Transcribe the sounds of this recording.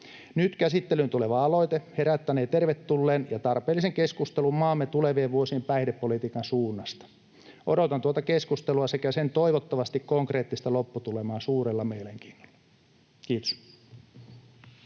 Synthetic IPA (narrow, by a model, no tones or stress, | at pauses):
nyt̪kæsit̪ːelynt̪uleʋɑɑlo̞it̪ehe̞ɾæt̪ːæneːt̪erʋet̪ːulːeːnjɑt̪ɑrpeːlːiseŋkeskust̪elummɑːmːet̪uleʋieːʋʋuosiːmpæidepːolit̪iːkɑnsuːnːɑst̪ɑ̥ | ʔodot̪ɑnt̪uot̪ɑkeskust̪eluɑsekæsent̪oiʋot̪ːɑʋɑst̪ikkoŋkre̞ːt̪ːist̪ɑlopːut̪ulemɑːsuːɾelːɑmejleŋk̟i̥ːnːo̥lːɑ | kiːt̪o̥s